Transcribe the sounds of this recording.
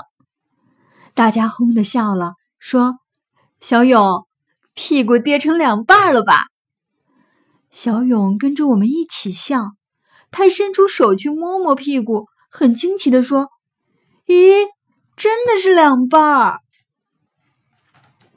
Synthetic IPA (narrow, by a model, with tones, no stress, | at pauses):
t̪a˥˩t͡ɕja˥xʊ˥ŋd̪ə˨ɕjɑ˥˩ʊlə˩ | ʂwɔ˥ | ɕjɑ˧˥ʊjʊ˨˩˦ŋ | pʰi˥˩ku˨˩t̪jɛ˥˩ʈ͡ʂʰɤ˧˥ŋljɑ˨˩ŋpa˥˩lə˩ba̰˩ | ɕjɑ˧˥ʊjʊ˨˩ŋkə˥nʈ͡ʂə˨wɔ˨˩mə˦ni˥˩t͡ɕʰi˨˩ɕjɑ˥˩ŋ | t̪ʰa˥˩ʂə˥nʈ͡ʂʰu˥ʂo˨˩ʊt͡ɕʰy˥mwɔ˥mwɔ˧˥pʰi˥˧ku˥˩ | xə˨˩nt͡ɕʰi˥ŋt͡ɕʰi˧˩d̪ə˧ʂwɔ˥ | ɛ˧˥ | ʈ͡ʂə˥nd̪ə˨ʂɻ̩˥˩ljɑ˨˩ŋpa˥˩